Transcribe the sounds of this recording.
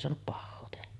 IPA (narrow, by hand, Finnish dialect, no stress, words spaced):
soɑnup pɑhːoː tehæ